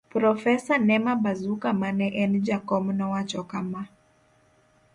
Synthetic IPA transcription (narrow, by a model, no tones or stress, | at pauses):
pɾɔfɛsanɛmabazukamanɛʔɛnd͡ʒakɔmnɔwat͡ʃɔkama